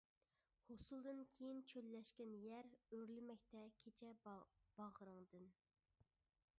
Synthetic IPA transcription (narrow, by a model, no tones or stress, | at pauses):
hosulˠd̪ɨnkʲʰejint͡ʃʰølːɛʃkʲɛnjæɾøɾlɪmɛk̚ʲt̪ɛkʲʰet͡ʃʰɛb̥ɑʁəɾɨŋd̪ɨn